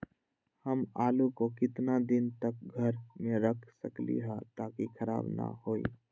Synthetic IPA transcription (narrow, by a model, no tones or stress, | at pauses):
həmaːlukokɪt̪nad̪ɪnt̪ək̚ɡʱəɾmẽɾəkʰsəklḭɦãt̪aːkikʰəɾa̰ːbna̰hoːḭ